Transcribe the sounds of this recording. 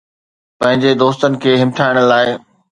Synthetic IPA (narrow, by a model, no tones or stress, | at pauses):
pɐ̃ɦɪ̃ɲd͡ʑed̪oːst̪ənɪ̆kʰeːɦɪmʈʰaːɪɽ̃ə̆laːɪ